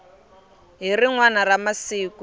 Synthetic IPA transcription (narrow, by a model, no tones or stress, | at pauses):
ɦiriŋwanaramasiːku